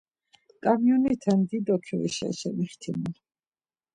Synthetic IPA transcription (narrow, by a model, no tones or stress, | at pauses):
kʼamjɔnit̪ʰand̪id̪ɔkʰɛḭʃɛ̰ʃɛmiχt̪ʰimu